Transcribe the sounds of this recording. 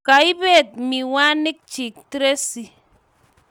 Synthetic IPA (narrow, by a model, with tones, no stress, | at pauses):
ka˨i˦be˦˨t̚mi˨wa˦ni˦k̚t͡ʃi˨k̚ti˦ɾe˦si˨